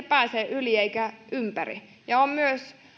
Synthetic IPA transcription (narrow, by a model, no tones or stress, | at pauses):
pæːseːʔylieikæʔympærḭ | jɑommyøs